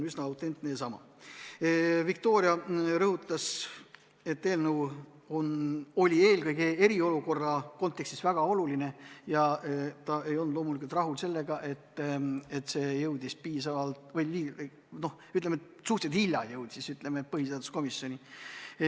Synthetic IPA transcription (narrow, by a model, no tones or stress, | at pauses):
ysnɑɑwt̪ˑe̞nt̪ne̞jɑsɑmɑ̰ | vikt̪o̞ːɾjɑɾɤɦut̪ːˑɑs | e̞t̪ːe̞ːlnuw | o̞no̞lʲie̞ːlɡɤjɡee̞ɾio̞luko̞rːɑko̞nt̪ːˑekst̪i̥svæɡ̥ɑo̞luline̞jɑt̪ɑe̞jond̪lo̞ːmulikult̪rɑɦulse̞lːe̞ɡ̥ɑʔe̞t̪ːet̪ːse̞jɤwd̪̥ispiːsɑvɑlt̪vɤjliː | no̞h | yt̪lemet̪suht̪sed̪hilʲjːɑjɤwd̪̥isyt̪ˑle̞met̪̚pɤɦis̬eɑd̪usko̞misːjo̞ni